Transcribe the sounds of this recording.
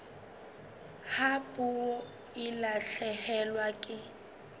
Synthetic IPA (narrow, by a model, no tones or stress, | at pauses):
hapʼuɔ | ɪlaɬɛhɛlwakʼɪ